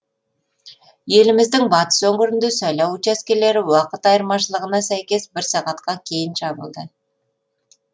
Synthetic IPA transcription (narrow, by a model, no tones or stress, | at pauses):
je̞lɪmɪzd̪ɪŋbɑt̪ə̥sɵŋɡʲɪɾɪnd̪ɪsɑjlɑwut͡ʃæskʲele̞ɾɪwɑqət̪ɑjəɾmɑʃəlˠəʁənɑsæjkʲe̞sbɪɾsɑʁɑt̪qɑkʲʰe̞jɪnʃɑbəlˠd̪ə